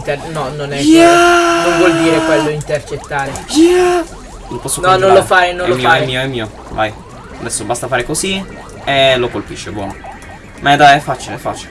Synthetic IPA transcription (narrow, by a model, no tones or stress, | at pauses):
nt̪enɔnonɛkenoɱvwɔld̪iːɾekwelːoint̪ert͡ʃet̪ːaːɾe | lopɔsːonɔnõnalofaːjnonɛomːiːoaɛmːiːoɛmːiːo | va̰j | ad̪ɛsːobast̪afaːɾekozi | elokolpiʃːebwɔ̰no | mʔɛd̪ajɛfːaːt͡ʃileɛfːa̰ːt͡ʃile